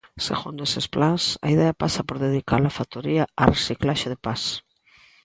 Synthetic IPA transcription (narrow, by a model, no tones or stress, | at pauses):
sḛɣund̪oesesplansa̰iðeapasɐpoɾðeðika̰lafat̪oɾiaaresiklaʃeðepas